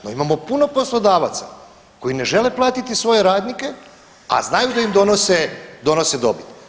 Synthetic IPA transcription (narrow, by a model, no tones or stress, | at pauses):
noimamo̞puno̞po̞slˠo̞d̪aːʋat̪sa̰ | ko̞ine̞ʒe̞le̞plˠaːt̪it̪isʋo̞jeɾaːd̪nike̞ | a̰znajud̪aimd̪o̞nosed̪o̞nosed̪obit̪